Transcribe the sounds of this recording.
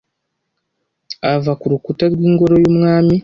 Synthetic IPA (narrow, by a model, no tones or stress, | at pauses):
avakuɾukutaɾwiːŋɡo̞ɾo̞jumŋaːmi